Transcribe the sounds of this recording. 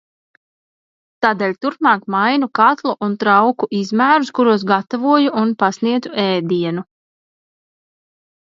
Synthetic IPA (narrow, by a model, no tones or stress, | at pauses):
t̪aːd̪eːlʲt̪uɾpmɑːkmajnukat̪lˠuʔunt̪ɾawkuʔizmæːɾuskuɾuɔs̬ɡat̪avuɔjuʔunpasniɛd̪zuʔɛːd̪iɛnu